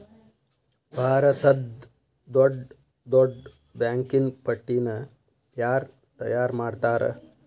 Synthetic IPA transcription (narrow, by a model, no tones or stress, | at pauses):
bʱaːɾɐt̪ɐd̪ | d̪oɖ | d̪oɖ | bãːŋkinpɐʈːiːnɐ | jaːɾ | t̪ɐ̰jaːɾmaːɽt̪aːɾɐ̰